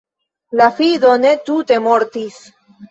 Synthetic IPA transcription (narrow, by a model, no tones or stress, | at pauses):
lafiðonet̪ut̪emoɾt̪is